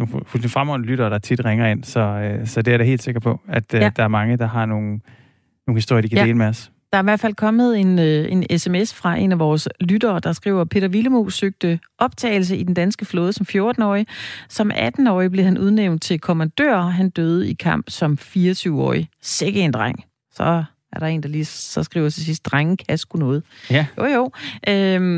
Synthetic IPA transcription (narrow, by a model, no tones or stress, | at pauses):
nofdfʁamɒ̽nəlyɾ̥ɐːɾ̥ɑ̈ɐt͡sʰid̥ʁeŋɐe̝n̰sɒ̽øsɒ̽d̥eæɐɾehe̝̰ːld̥se̝ɡ̥ɐpʰɒ̽æd̥d̥ɑ̈æɐmɑ̈ŋəd̥ɑ̈ɦɑ̈no̝ːn̩ | noːn̩hisd̥o̝ɐjɐdikʰædde̝ːlmeɒs | d̥ɑ̈æɐiʋæɐfælkʰɒ̽mð̞̩ˠe̝ne̝nesemesfʁɑ̈ʔe̝næʋɒːslydɐːd̥ɑ̈sɡ̥ʁḭʊ̰ɐpʰe̝̰ːd̥ɐʋiləmo̰søɡ̥̚d̥əʔɒ̽b̥̚t͡sʰɛ̰ːɪl̩s̬əid̥end̥ænsɡ̥əflɔ̽ːðˠsɒ̽mfjo̝ɐd̥n̩ɒ̰ːɪisɒ̽mʔæd̥n̩ɒ̰ːɪb̥le̝hænʔuð̞ˠneʊnd̥̚t͡sʰe̝lkʰomænd̥ø̰ːɐɦænd̥øːð̞̩ˠikʰɑ̈m̰b̥sɒ̽mfiːɐt͡sʰyʊɒ̰ːiseɡ̥əend̥ʁaŋ̰ | sɒ̽ | æɐɾɑ̈e̝ːnd̥ɑlisɒ̽sɡ̥ʁḭʊ̰ɐt͡sʰe̝s̬isd̥̚ʁaŋəkʰæsɡ̥unɔ̽ːð̩ˠjo̰joʊʔø